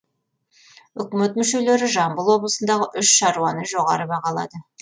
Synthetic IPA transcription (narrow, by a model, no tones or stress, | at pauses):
ʏkʲme̞t̪mʏʃe̞le̞ɾɪʒɑmbəlˠwo̞blˠəsənd̪ɑʁəʔʏʃʃɑɾuwɑnəʒo̞ʁɑɾəbɑʁɑlˠɑ̰d̪ə